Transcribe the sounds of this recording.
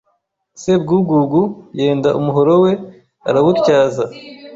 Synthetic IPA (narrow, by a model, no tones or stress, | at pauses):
sebɡuːɡuɡuje̞ːndaʔumuɦo̞ɾowe̞ | a̰ɾaβutcaːza